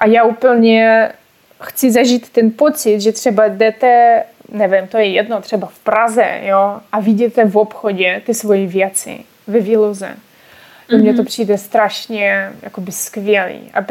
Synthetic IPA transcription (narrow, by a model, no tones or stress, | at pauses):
ʔajaːuːpl̩ɲɛ | xt͡sɪzaʒiːt̪ːɛnpot͡sɪt̪ʒɛt̪r̥ɛbadɛt̪ɛ | nɛvɪmt̪ojɛjɛdnot̪r̝̥ɛbafpɾazɛ̰joʔaviɟɛt̪ɛvopxoɟɛt̪ɪsvojivjɛt͡sɪ̰ | vɛviːlozɛ̰ | ɛmɲɛt̪opr̝̥iːdɛst̪ɾaʃɲɛja̰kobɪskvjɛlḭːʔa̰